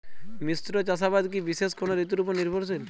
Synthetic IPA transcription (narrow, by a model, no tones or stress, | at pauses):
misɾot͡ɕasabad̪k̬ibiʃeskonoɾit̪uɾupoɾniɾbʱoɾs̬il